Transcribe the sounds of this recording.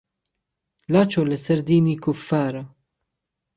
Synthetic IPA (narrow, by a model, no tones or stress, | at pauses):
lat͡ʃɔlɛsɐɾd̪iːnikʊfːaːɾɐ